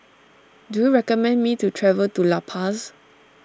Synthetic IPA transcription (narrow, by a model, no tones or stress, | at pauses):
dujuɹɛkɔmɛ̃nmitutʰɹɛvəltulapʰas